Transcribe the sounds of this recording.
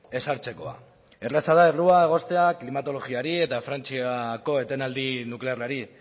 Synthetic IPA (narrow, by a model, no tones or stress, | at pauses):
e̞saɾt͡se̞ko̞a̰ | e̞resað̞aeruae̞ɣ̞o̞st̪e̞aklimat̪o̞lo̞ɣiaɾie̞t̪afɾant͡siako̞e̞t̪enald̪inukle̞aɾrlaɾi